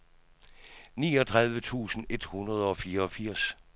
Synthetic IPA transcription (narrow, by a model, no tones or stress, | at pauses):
nḭːɒ̽t͡sʰʁɑ̈ðˠʋət͡sʰṵːsn̩e̝d̥hunʁɐð̞ˠɒ̽fiːɐɒ̽fiɐ̰s